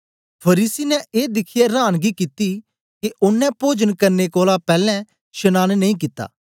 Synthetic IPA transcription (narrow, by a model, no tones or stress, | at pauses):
pʰɐɾiːsinɛeːd̪ɪkʰɪjeɾaːnɡikɪt̪i | keʊnːɛ̃poːd͡ʒənkɐɾnekoːlapɛːlɛ̃ | ʃɐnaːnnɐĩk̬ɪt̪ːa̰ː